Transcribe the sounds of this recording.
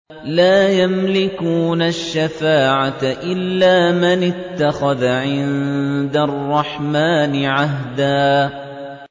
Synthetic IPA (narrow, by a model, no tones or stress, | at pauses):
laːjamlɪkuːnaʃːafaːʕatʔɪlːaːmɪnɪt̪ːaxaðaʕɪnd̪arˤːɑħmaːnɪʕaɦd̪aː